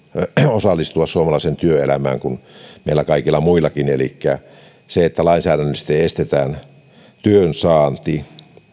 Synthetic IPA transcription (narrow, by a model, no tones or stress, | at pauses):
osɑlːˑist̪uɑssuomɑlɑisent̪yøelæmæ̰ːŋkunmeilːˑækɑikilːɑmuilːˑɑkinelḭkːæ | seet̪ːælɑinsæːɾænːøsi̥t̪ːeest̪et̪æːn | t̪yønsɑːnt̪i